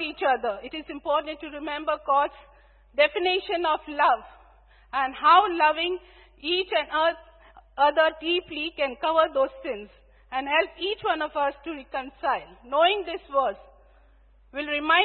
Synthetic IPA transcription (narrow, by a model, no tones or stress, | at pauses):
iːt͡ʃʌd̪əɾɪʈɪzɪ̃mpɔːʈə̃nʈʈːuɾɪmɛ̃mbəɾkɔːds | ɖɛfɪnɪʃə̃nɔflʌʋ | æ̃nhɦaʊlʌʋɪ̃ŋ | iːt͡ʃæ̃nʌt̪ | ʌd̪əɖiːplikɛ̃nkʌʋəɾd̪oːztɪ̃nz | æ̃nɖhɛlpiːt͡ʃʋʌ̃nɔʋʌsʈuɾɪkə̃nsaɪlnoːɪ̃ŋd̪ɪsʋəɾs | ʋɪlɾɪmãɪ̃